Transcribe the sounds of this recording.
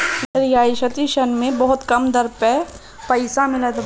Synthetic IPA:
ɐɾjaːɪʃɐt̪iʃɐnmẽbɐɦʊt̪kɐmd̪ɐɾpɛ | pɐɪsamɪlət̪

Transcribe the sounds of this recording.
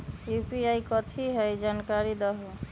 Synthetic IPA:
upiajkɔt̪ʰiɦejd͡ʒankaɾid̪ɔɦu

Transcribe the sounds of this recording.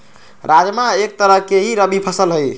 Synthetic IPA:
ɾad͡ʒmaek̚t̪əɾəɦkeɦiɾəbipʰəsəlɦəj

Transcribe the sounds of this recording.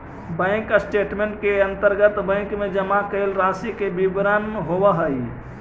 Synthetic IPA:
bə̃ɪksʈeːʈmẽɳʈ̚keə̃nt̪əɾɡət̪bə̃ŋkmẽd͡ʒəmakəɪlɾãsikebibɾənɦowəɦəj

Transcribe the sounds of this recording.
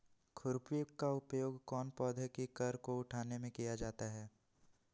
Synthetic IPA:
kʰʊɾpikaʊpjoːɡkɔːnpɔːd̪ʱəkikɐɾkoʊʈʰaːnemẽkijad͡ʒaːt̪aɦɛː

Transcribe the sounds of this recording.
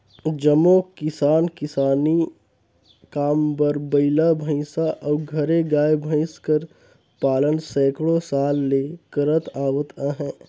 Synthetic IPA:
d͡ʒəmokɪsaːnkɪsaːni | kaːmbəɾbəɪlabʱəɪsaʔɔːɡʱɐɾeɡaːjbʱə̃ɪskəɾ | paːlənsɛ̃ːkɽõsaːlːeːkəɾət̪aːwət̪ãɦɛ̃ː

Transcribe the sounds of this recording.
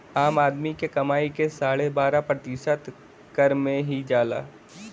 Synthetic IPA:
aːmaːd̪mikekɐmaːikesaːɽebaːɾapɾɐt̪ɪʃət̪ | kəɾmẽɦid͡ʒaːla̰ː

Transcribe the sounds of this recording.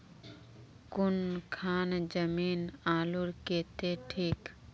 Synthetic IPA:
kʊnkʰaːnd͡ʒəmiːnaːluɾkeːt̪eʈʰiːk

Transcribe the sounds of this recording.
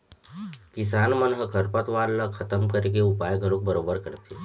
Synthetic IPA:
kɪs̬aːnmənɦəkʰəɾpət̪ʋaːɾləkʰɐt̪əmkəɾek̬eʊpaːjɡəɽuk̚bəɾoːbəɾkəɽt̪iː

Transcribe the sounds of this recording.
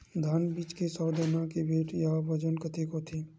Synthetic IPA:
d̪ʱaːnbiːt͡ʃkesɔːd̪ənakebʱeːʈjabɐd͡ʒənkət̪ekot̪ʰiː

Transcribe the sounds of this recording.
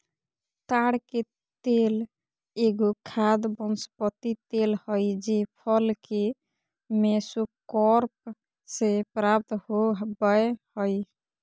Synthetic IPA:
t̪aɽke | t̪el | eɡokʰad̪bɔnspət̪it̪elhɔjd͡ʒepʰɔlke | mesukɔɾp̚ | sepɾap̚t̪ɦobəehɔj

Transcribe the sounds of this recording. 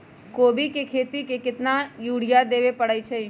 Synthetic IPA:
koːbikekʰeːt̪ikekɪt̪najuːɽ̤ijad̪eːʋepɐɽəit͡ʃʰe

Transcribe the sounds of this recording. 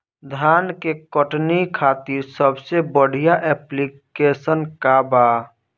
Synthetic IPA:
d̪ʱaːnkekəʈnikʰaːt̪iɾsəbsebəɽ̤ijaʔɛːplikeːsənkabaː

